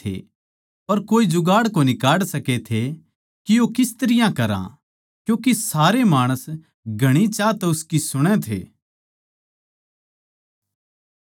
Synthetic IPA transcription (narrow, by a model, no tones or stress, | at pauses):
ḛ | pɐɾkoːid͡ʒʊɡaːɽkonɪkaːɽsɐket̪ʰe | kijokɪst̪əɾɪjãkɐɾã̰ | kjũːkisaːɾemaːɽ̃əs | ɡʱɐɽ̃it͡ʃaːt̪ɛʊskisʊɽ̃ẽt̪ʰḛː